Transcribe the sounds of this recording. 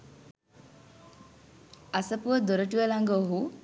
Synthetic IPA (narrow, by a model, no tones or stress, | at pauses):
asəpuəd̪oɾəʈ̬uʋəlaŋɡəoɦu